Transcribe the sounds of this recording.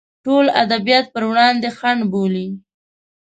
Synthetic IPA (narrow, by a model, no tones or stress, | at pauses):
ʈola̰d̪abijɑt̪̚pəɾwɽɑnd̪exaɳɖboli